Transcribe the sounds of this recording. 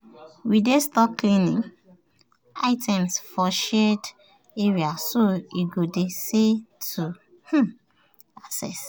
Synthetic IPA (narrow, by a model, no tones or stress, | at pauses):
widestɔklĩnḭ̃ŋ | aɪtʰɛ̃msfɔʃɛd | eɹiasoiɡodesetʰu | h̩ | asɛ̰s